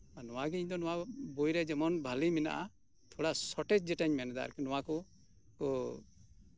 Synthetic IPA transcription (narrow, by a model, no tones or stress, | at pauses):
anɔwaɡɛiɲd̪ɔnɔwabojɾɛd͡ʒɛmɔnbʱalimina̰ʔa | t̪ʰɔɽasɔʈɛd͡ʒd͡ʒɛʈaɲmɛnɛd̪a̰a̰ɾkɛnɔwakɔ | kɔ